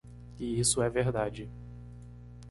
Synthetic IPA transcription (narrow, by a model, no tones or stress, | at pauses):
ɪisʊɛveɾd̪ad͡ʒɪ